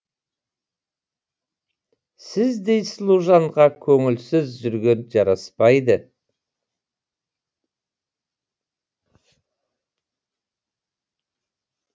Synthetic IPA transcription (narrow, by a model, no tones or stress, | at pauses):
sɪzd̪e̞jslˠuʒɑɴʁɑkʲʰɵŋɪlsɪzʒʏɾɡʲenʒɑɾɑspɑjd̪ə